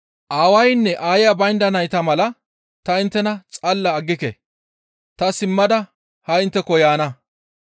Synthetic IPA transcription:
ʔaːwɐjnːɛʔaːjjɐbɐjnd̪ɐnɐjt̪ɐmɐlɐ | t̪ɐɪnt̪ːɛnɐt͡sʼɐlːɐːɡːɪkḛ | t̪ɐsɪmːɐd̪ɐ | hɐɪnt̪ːɛkːɔjaːnɐ

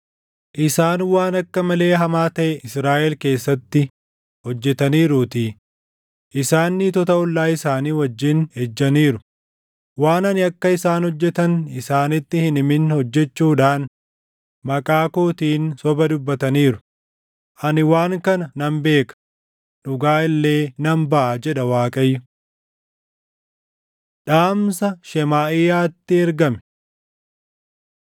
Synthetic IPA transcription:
ʔɪsaːnwaːnɐkːɐmɐle̞ːɦɐmaːt̪ɐʔɛʔɪsɾaːʔɛlke̞ːsːɐt̪ːɪ | hɔd͡ʒːɛt̪ɐniːɾuːt̪iː | ʔɪsaːnːɪt̪ɔt̪ɐʊlːaːɪsaːniːwɐd͡ʒːɪnhɛd͡ʒːɐniːɾʊ | waːnɐnɪɐkːɐɪsaːnhɔd͡ʒːɛt̪ɐnɪsaːnɪt̪ːɪhɪnɪmɪnhɔd͡ʒːɛt͡ʃːuːᶑaːn | mɐkʼaːkoːt̪iːnsɔbɐd̪ʊbːɐt̪ɐniːɾʊ̥ | ʔɐnɪwaːŋkɐnɐnɐmbe̞ːkɐ̥ | ᶑʊɡaːɪlːe̞ːnɐmbɐʔɐd͡ʒɛᶑɐwaːkʼɐjːʊ | ᶑaːmsɐʃɛmaːʔɪjaːt̪ːɪɛɾɡɐmɛ̥

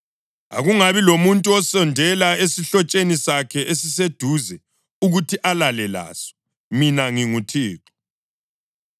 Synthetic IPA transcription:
a̰ɣuŋaβilomuntʼuɔsɔndʱɛlaesiɬɔt͡ʃʼenisakʰɛʔesised̥ʱuzɛ | uɣutʰiʔalalɛla̰ːsɔ̥ | minaŋiŋutʰiːǃɔ̥

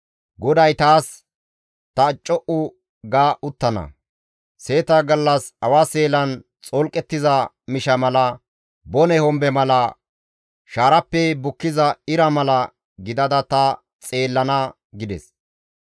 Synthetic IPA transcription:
ɡɔd̪ɐjt̪aːs | t̪ɐt͡ʃʼːɔʔʊ | ɡaːʔʊt̪ːɐnɐ̰ | se̞ːt̪ɐɡɐlːɐsɐwaːse̞ːlɐnt͡sʼɔlkʼɛt̪ːɪzɐ | mɪʃɐmɐlɐ | bɔnɛhɔmbɛmɐlɐ | ʃaːɾɐpːɛbʊkːɪzɐɪɾɐmɐlɐ | ɡɪd̪ɐd̪ɐt̪ɐ | t͡sʼe̞ːlːɐnɐ | ɡɪd̪ɛs

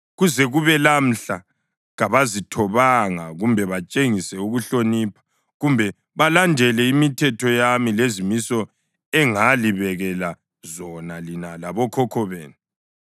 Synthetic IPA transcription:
ɣuzɛɣuβɛlam̩ɬa | ɣaβazitʰɔβaŋaɣumbʱɛβat͡ʃʼeŋisɛuɣuɬoniːpʰḁ | ɣumbʱɛ | βalandʱɛlɛimitʰɛtʰɔjamilezimisɔ | ɛŋaliβɛɣɛla | zɔnalinalaβɔkʰɔkʰɔβḛːnu

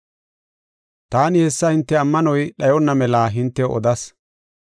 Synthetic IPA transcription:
t̪aːnɪhɛsːɐhɪnt̪ːɛɐmːɐnɔjɗɐjɔnːɐmɛlaːɦɪnt̪ːɛɔ̰d̪ɐs

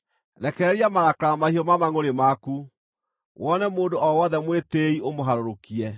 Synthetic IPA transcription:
ðɛkɛɾɛɾiamaɾakɾamahiɔmamaŋoɾemaku | wɔnɛmoːndoʔɔwɔðɛmweteiomoɦaɾoɾokiɛ

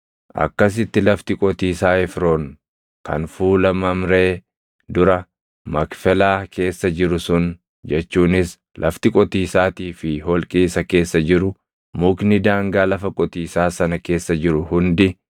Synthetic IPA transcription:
ʔɐ̰kːɐs̬ɪt̪ːɪlɐft̪ɪkʼɔt̪iːsaːɛfɾo̞ːn | kɐ̰nfuːlɐmɐmɾe̞ː | d̪ʊɾɐ | mɐkfɛlaːkʰe̞ːsːɐd͡ʒɪɾʊsʊn | d͡ʒɛt͡ʃːuːnɪs | lʔɐ̰ft̪ɪkʼɔt̪iːsaːt̪iːfɪɦɔlkʼiːsɐke̞ːsːɐd͡ʒɪɾʊ | mʊknɪd̪aːŋɡaːlɐfɐkʼɔt̪iːsaːsɐnɐke̞ːsːɐd͡ʒɪɾʊhʊnd̪ɪ

